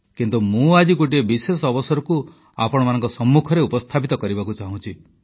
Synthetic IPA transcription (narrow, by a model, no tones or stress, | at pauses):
kint̪umũad͡ʒiɡoʈ̬iebisesɔɔbɔsɔɾɔku | apɔɽ̃ɔmanɔ̃ŋkɔsɔmːukʰɔɾeupɔst̪ʰapit̪ɔkɔɾibakut͡ʃaɦũt͡ʃʰi